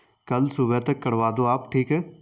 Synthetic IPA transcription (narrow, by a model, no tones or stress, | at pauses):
kɐlsubet̪əkːəɽʋaːd̪oːaːpʈʰiːkɛː